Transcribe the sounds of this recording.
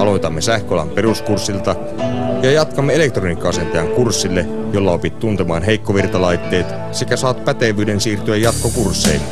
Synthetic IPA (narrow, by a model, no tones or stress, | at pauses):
ɑlo̞jt̪ɑmːe̞sæhkøolɑ̰mpe̞ruskursːilt̪ɑ | jɑjɑt̪kɑmːeele̞k̚t̪ronikːɑɑse̞nt̪ejɑŋkursːilːe | jo̞lːɑo̞pit̪t̪ːunt̪emɑːnɦe̞jkːo̞ʋirt̪ɑlɑjt̪ːe̞ːt̪ | sekæsɑːt̪pæt̪e̞ʋˑyːde̞nsiːrt̪yæjːɑt̪̚ko̞kursːḛil